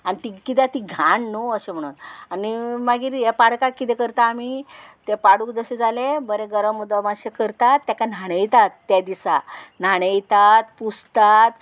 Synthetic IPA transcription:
anit̪ikit̪̬jat̪iɡʱaɳnoəɕem̤əɽ̃unanimaɡiɾjepaɽkakːit̪ẽkəɾt̪aːmit̪epaɽukd͡zəɕed͡zalebəɾeɡəɾəmːud̪əmaɕekəɾt̪at̪ːjakan̤aɽ̃əjt̪at̪ːjad̪isan̤aɽ̃ejt̪at̪pust̪at̪

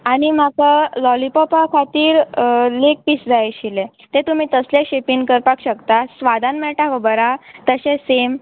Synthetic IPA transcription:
añim̤akəlɔlipɔpakʰat̪iːɾlek̚pisd͡zajɕile | t̪et̪um̤iːt̪əsleɕepiŋkəɾpakɕəkt̪asʋad̪ʱanmɛɭʈaʋəbəɾat̪əɕesem

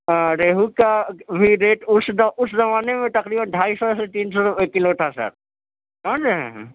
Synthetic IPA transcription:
ãɾeːɦukabʱiɾeːʈʊsdʊszɐmaːnemẽt̪ɐkɾiːbənɖʱaːisɔset̪iːnsɔeːkːɪloʈ̪ʰasa̰ɾ | kãd͡ʒeɦɛ̰̃ɦ

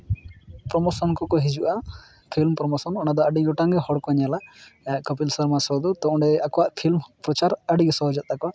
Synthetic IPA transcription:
pɾɔmɔsɔnkɔkɔɦid͡ʒuʔa | pʰilmpɾɔmɔsɔnɔnad̪ɔəɖiɡɔʈaŋɡɛhɔɽkɔɲalaaʔkɔpilsəɾmasɔd̪ut̪ɔ̃ɳɖɛakɔwaʔpʰilmpɾɔt͡ʃaɾəɖiɡɔsɔɦɔd͡ʒat̪̚akɔwaʔ

